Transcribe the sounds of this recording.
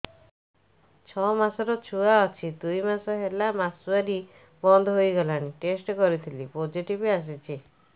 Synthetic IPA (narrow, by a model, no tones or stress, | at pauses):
t͡ʃʰɔmasɔɾɔt͡ʃʰuaɔt͡ʃʰid̪ujmasɔɦelamasuaɾi | bɔnd̪ʱɔɦojɡɔlaɽ̃iʈesʈkɔɾit̪ʰilipod͡ʒiʈibias̬it͡ʃʰi